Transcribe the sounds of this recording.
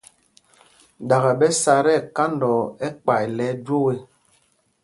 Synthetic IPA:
da˨ɣɛ˨bɛ˦sa˨ɾɛ˦˨ka˦ndɔ˨ɛ˦k͡pa˨jlɛ˨˦d͡ʒwo˦we˦

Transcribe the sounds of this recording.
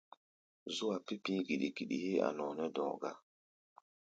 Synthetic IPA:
zu˦wa˨pi˦pĩ˦ɡi˨ɗi˨ɡi˨ɗḭ˨he˦a̰˨nɔ̃˨nɛ˦dɔ̰̃˨ɡa˦

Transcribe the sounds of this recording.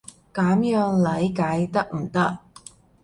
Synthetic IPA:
kaː˨˥mjœː˨˧ŋlɐ˨˧˥jkaː˨˥jt̪ɐ˥k̚m̩˨˩t̪ɐ˥k̚

